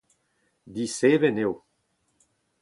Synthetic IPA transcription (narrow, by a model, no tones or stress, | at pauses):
d̪iseːvenew